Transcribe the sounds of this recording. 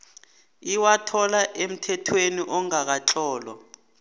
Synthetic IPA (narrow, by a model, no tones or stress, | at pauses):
iwatʰɔlaʔem̩tʰɛtʰweniʔɔŋak̬at͡ɬʰɔːlɔ̰